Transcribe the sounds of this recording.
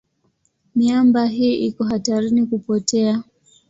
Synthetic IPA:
miambaɦiːʔikɔɦataɾinikupɔtɛa

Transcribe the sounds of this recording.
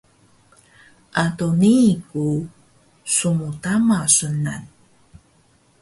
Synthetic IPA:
ʔatoniku | sumutamasunan

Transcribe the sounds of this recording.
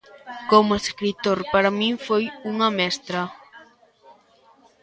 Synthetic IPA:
komʊeskɾit̪oɾpaɾamĩŋfojuŋɐmɛst̪ɾɐ

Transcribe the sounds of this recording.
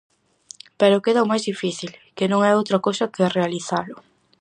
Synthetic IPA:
pɛɾʊkeðɐomajzðifiθilkɪnõŋɛowt̪ɾɐkowsɐkɪrealiθalʊ

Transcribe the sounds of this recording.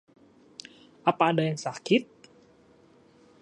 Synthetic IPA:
ʔapaːdajaŋsakit̪̚

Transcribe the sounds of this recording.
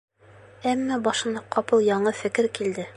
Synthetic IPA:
æmːæbɑʃɤ̆nɑqɒpɤlˠjɑɴɤfɘ̆kɘɾkild̪ɘ

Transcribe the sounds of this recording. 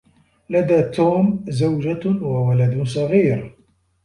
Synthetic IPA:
lad̪aːt̪uːmzawd͡ʒawawalad̪ʊsˤɑɣiːɾ

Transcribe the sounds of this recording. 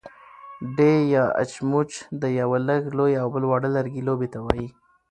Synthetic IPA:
ɖejɑa̰t͡ʃmut͡ʃd̪əjawaləɡlojawbəlwɑɽəlaɾɡilobet̪awɑji

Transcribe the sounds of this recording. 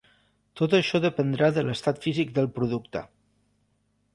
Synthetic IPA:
t̪ot̪əʃɔðəpənd̪ɾaðələst̪at̪fizik̚d̪əlˠpɾuðukt̪ə̰

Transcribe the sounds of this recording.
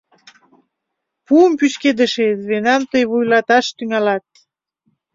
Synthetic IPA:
puəmpysked̪əʃezβenɑmt̪əjβujlɑt̪ɑʃt̪yŋɑlɑt̪̚

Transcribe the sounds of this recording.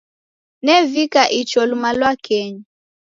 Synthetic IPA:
nɛvikaʔit͡ʃɔlumalwakɛɲa

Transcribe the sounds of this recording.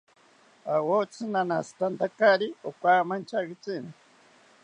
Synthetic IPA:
awot͡sʰɨnanast̪ant̪akaɾiokʷamant͡ʃaɡit͡sina

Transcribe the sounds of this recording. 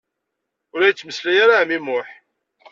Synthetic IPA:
ʊɾæjət͡sːməslæjaɾamimʊħ

